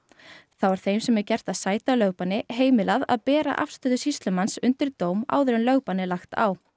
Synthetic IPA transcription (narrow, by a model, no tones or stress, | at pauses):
θawvaɾ̥θejmsɛmɛcɛr̥t̪aðsaːjt̪alœːɣpanːɪɦeːjmɪlaða̰ðpɛːɾa̰ʔa̰fst̪œːðʏsist̪lʏmansʏnt̪ɪɾt̪oːwma̰ːwðʏɾʏnlœɣpanːɪlaxt̪a̰w